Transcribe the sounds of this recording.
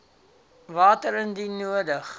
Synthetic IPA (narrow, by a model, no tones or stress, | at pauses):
vɑːtəɾəndinuədəχ